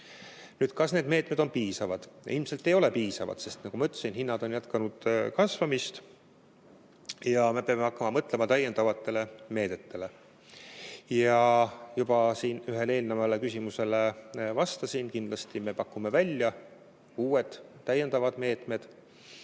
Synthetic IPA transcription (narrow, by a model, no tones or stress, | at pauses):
nyːd̪̥̚kɑsne̞ːd̪̥me̞ːt̪me̞d̪o̞npiːsɑvɑd̪̥ilmselt̪ːˑe̞jo̞le̞piːsɑvɑ̰d̪̥se̞st̪nɑkumɑyt̪ːˑesinhinːɑd̪̥o̞njæt̪kɑnud̪̥kɑsvɑmist̪ | jɑme̞peɑmːeɑkːɑmɑmɤt̪ˑlemɑt̪æjːend̪ɑvɑt̪ːe̞le̞me̞ːd̪̥e̞t̪ʰːe̞le̞ | jɑjub̥ɑsiːnyɦe̞le̞ːlnɑmɑlekysʲimuse̞levɑst̪ɑsiːnkind̪̥lɑst̪ime̞pɑkːˑume̞vælʲjɑ | uːwed̪̥t̪ːæjːend̪ɑvɑd̪̥me̞ːt̪me̞d̪̥